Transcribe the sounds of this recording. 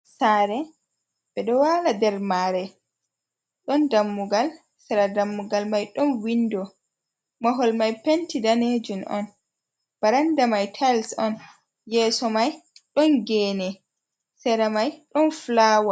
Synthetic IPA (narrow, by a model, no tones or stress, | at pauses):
saɾɛ | bɛɗɔwaladɛɾmaɾɛ | ɗɔndamːuɡal | sɛɾadamːuɡalmajɗɔnwindɔ | maɦɔlmajpentidaned͡ʒunʔɔ̰n | b̥aɾandamajtʰajlsɔn | jɛːsɔmajɗɔnɡɛːnɛ | sɛɾamajɗɔnflaːwa